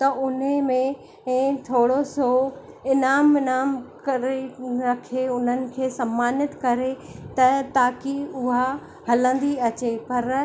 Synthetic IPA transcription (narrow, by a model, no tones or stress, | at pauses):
t̪ɐʔʊn̤əmẽː | t̪ʰoːɽoso | ɪnaːmɪnaːmkɐɾeɾɐkʰeʊn̤ənɪ̆kʰeːsɐmːaːnɪt̪kɐɾet̪ɐt̪aːkiʊɦa | hɐlə̃nd̪iɐt͡ɕepɐɾ